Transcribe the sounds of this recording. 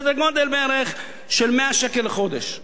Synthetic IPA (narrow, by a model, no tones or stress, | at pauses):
d̪eɡod̪elbeeɾeχ | ʃelmeaʃɛkeleχod̪eʃ